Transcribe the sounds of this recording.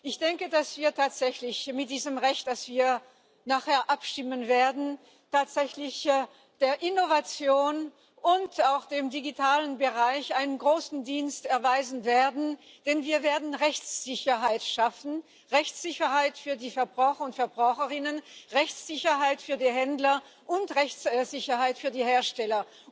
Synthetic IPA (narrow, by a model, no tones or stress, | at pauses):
ʔɪçd̥ɛŋkədasv̥iːɐtʰaːtz̥ɛçlɪçmɪt̚d̥iːzəmʁɛçtd̥asv̥iːɐ | naːχheːɐʔapʃtɪmənveːɐdn̩ | tʰaːtz̥ɛçlɪç | d̥eːɐʔɪnovat͡sjoːn | ʔʊntaʊxd̥eːmdiɡitʰaːlənbəʁaɪçʔaɪnənɡʁoːsn̩diːnstɛɐvaɪzn̩veːɐdn̩ | d̥ɛnviːɐveːɐdn̩ʁɛçt͡sz̥ɪçɐɦaɪtʃafn̩ | ʁɛçt͡sz̥ɪçɐhaɪtfyːɐdiːfɛɐbʁaʊxɐʊntfɛɐbʁaʊxəʁɪnənʁɛçt͡sz̥ɪçɐɦaɪtfyːɐdiːɦɛndlɐ | ʔʊntʁɛçt͡sz̥ɪçɐhaɪtfyːɐdiːheːɐʃtɛlɐ